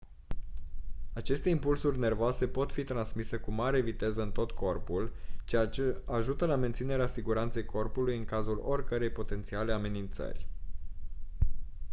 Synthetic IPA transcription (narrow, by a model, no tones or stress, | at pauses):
at͡ʃe̞st̪e̞impulsurʲne̞rvoase̞po̞t̪fit̪ɾansmise̞kumaɾe̞vit̪e̞zəɨnt̪o̞t̪ko̞rpult͡ʃejat͡ʃe̞aʒut̪əlame̞nt̪sine̞ɾeasiɡuɾant̪se̞jkʰo̞rpulujɨŋkazulo̞rʲkəɾe̞jpo̞t̪e̞nt̪sialeame̞nint̪sə̰rʲ